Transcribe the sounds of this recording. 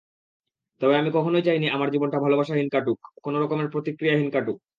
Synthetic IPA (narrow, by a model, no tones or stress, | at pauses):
t̪ɔbeamikɔkʰonojt͡ɕajniamaɾd͡ʑibonʈabʱalobaʃaɦinkaʈukkːonoɾɔkomeɾpɾot̪ikɾijaɦinkaʈuk̚